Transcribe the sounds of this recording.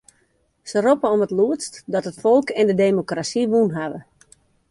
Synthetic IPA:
səropəɔmətluətstdɔtɦətfɔlˠkɛndədeːmokrasiʋunɦaʋə

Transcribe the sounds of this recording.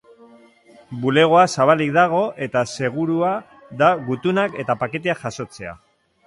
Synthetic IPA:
bule̞ɣ̞o̞asaβalik̚d̪aɣ̞o̞ʔe̞t̪ase̞ɣ̞uɾua | ðaɣut̪unake̞t̪apake̞t̪e̞aʝaso̞t͡se̞a̰

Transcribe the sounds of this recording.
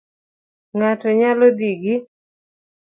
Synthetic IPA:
ŋatɔɲalɔd̪iɡɪ

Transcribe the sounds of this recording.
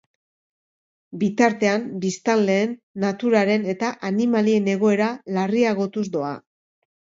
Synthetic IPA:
bit̪aɾt̪e̞ambist̪anle̞ːnːat̪uɾaɾe̞ne̞t̪aʔanimalie̞ne̞ɣ̞o̞e̞ɾalariaɣo̞t̪uzd̪o̞a̰

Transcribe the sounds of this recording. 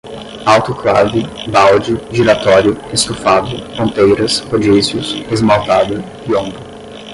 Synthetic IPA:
awt̪ʊkla̰wdɪbawd͡ʒɪd͡ʒiɾat̪ɔɾjʊest̪ofad̪ʊfɾõnt̪ejɾɐskod͡ʒisjʊsezmawt̪ad̪ʊ | iõbɾʊ

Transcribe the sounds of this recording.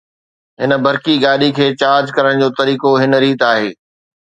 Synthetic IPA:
ɦɪnəbʱɐɾkiɡaːɗikʰeːt͡ɕaːɾd͡ʑkɐɾəɽ̃d͡ʑoːt̪ɐɾiːkoɦɪn̆ɾiːt̪aːɦeː

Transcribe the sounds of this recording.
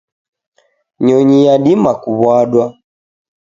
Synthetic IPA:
ɲɔɲijaɗimakuβwaɗwa

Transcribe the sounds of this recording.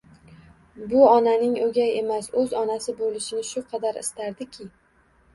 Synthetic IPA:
bʊɒnanɪŋɵɡʲaje̞masɵzɒnasɪbolɪʃɪnɪʃʊqʰɑd̪aɾɪ̰st̪aɾd̪ɪkʲʰɪ

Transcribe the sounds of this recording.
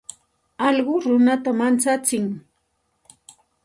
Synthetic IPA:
ɑʎɢʊɾʊnat̪amant͡sat͡sɪŋ

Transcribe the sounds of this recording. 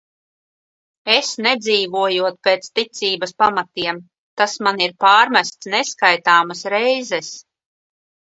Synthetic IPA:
esnɛd̪ziːvuɔjuɔt̪̚peːt̪st̪it̪siːbɐspamat̪iɛm | t̪asmaniɾpaːɾmæst̪snɛskajt̪aːmasɾɛjzɛs

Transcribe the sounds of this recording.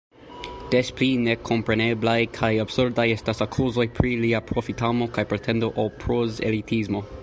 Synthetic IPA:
d̥esplinekʰompɾeneblajkʰajabsuɾbd̪ajestasakʰuzojpʰɾiliapʰɾofitʰamokajpɾet̪ʰɛndoʔapʰɾozḛlit̪ʰizmo

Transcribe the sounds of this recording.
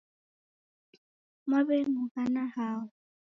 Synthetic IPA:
mwabɛmʊhanahaːʊ

